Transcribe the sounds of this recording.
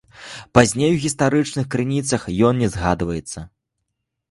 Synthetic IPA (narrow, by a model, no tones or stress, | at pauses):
pazʲnʲejwɣʲist̪aɾɨt͡ʂnɨxkɾɨnʲit̪sɐxjɔnnʲɛzɣad̪vɐjɛt̪sːɐ